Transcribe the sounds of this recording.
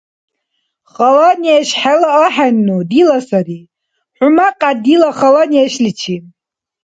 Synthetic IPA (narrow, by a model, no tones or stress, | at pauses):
χalaniaʃħalaaħanːudilasari | ħʷʊmaqʼadilaχalaniaʃlit͡ʃʰi